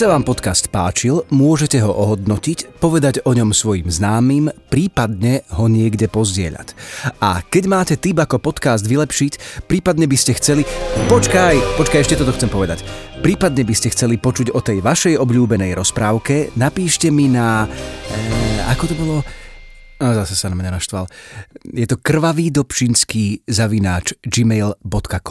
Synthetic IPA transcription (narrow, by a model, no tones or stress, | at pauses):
saʋaːmpɔt̪kast̪pa̰ːt͡ʃilmʊɔʒɛcɛɦɔʔɔɦɔd̪nɔcicpɔʋɛd̪aɟɔɲɔmsʋɔjḭmznaːmiːmpɾiːpad̪ɲɛɦɔɲɪɛɡɟɛpɔzɟɪɛ̰ʎa̰ca̰kɛɟmaːcɛt̪ibakɔpɔt̪kasd̪ʋilɛpʃicpɾiːpad̪ɲɛbiscɛxt͡sɛlipɔt͡ʃkajpɔt͡ʃkajɛʃcɛt̪ɔt̪ɔxt͡sɛmpɔʋɛd̪a̰cpɾiːpad̪ɲɛbiscɛxt͡sɛlipɔt͡ʃuɟɔt̪ɛjʋaʃɛjɔbʎuːbɛnɛjɾɔspɾaːʊkɛnapiːʃcɛmina | a̰kɔt̪ɔbɔlɔ | azasɛsanamɲanaʃt̪ʋa̰ljɛt̪ɔkr̩ʋaʋiːd̪ɔpt͡ʃinskiːzaʋinaːt͡ʃd͡ʒimɛjlbɔt̪kakɔ